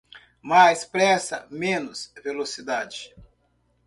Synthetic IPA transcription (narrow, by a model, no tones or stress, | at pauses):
majspɾɛsɐ̰mẽnʊsvelosid̪ad͡ʒɪ